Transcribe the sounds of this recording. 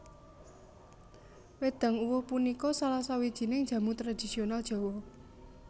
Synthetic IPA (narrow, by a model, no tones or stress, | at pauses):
wed̪̥a̤ŋuwʊhpunikɔsalasawid̥ʒ̥i̤nɪŋ̥d͡ʒ̥ä̤mut̪ɾad̪̥i̤sionalʒ̥ɔ̤wɔ